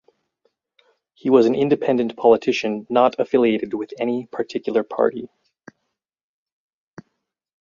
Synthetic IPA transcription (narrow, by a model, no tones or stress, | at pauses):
hiwʌz̃n̩ɪ̃ndɨpʰɛ̃ndɨ̃npʰɑlˠətʰɪʃɨ̃nːəɾəfɪlˠieɪɾɨd̚wɨðɛñipʰə˞tʰɪkjl̩ˠə˞pʰɑ̰ɹɾḭ